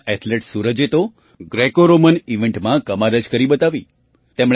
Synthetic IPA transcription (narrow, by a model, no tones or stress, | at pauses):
ʔɛʈ̪ʰleʈsuɾəd͡ʒet̪o | ɡɾekoɾoməniʋẽɳʈmãkəmaɾəd͡ʒkəɾibət̪aʋi | t̪emɽ